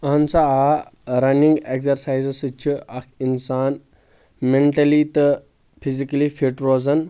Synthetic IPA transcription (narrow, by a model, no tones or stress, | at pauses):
ɐɐnt͡saaɾɐnĩŋɡekzɐɾsaːjzsɨt͡ʃʰiɐkʰinsaːn | meɳʈɐlit̪ə | pʰizikɐlifʰiʈɾoːzɐn